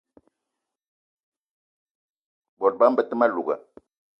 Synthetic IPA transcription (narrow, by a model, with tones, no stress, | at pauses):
bɔ˨l̚ba˦m̩˦bə˦tə˦ma˦lu˨ɡa̰˨